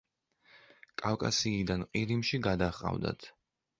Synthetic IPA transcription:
kʼawkʼasiːd̪anqʼiɾimʃiɡad̪aχqʼa̰vd̪a̰t̪ʰ

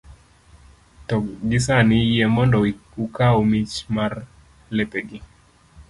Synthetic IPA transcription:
tɔɡɪsanɪjɛmɔndɔukaomit͡ʃmar | lɛpeɡɪ

